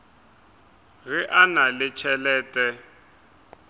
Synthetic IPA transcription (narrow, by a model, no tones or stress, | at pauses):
ɣɪʔanalɪt͡ʃʰɛlɛːtʼɛ